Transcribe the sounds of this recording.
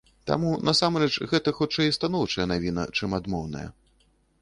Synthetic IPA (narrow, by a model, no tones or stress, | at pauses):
t̪a̰munʔɐsamɾɛt͡ʂɣɛt̪ɐxut͡ʂɛjist̪anɔwt͡ʂɐjɐnavʲinɐ̰t͡ʂɨmad̪mɔwnɐ̰jɐ̰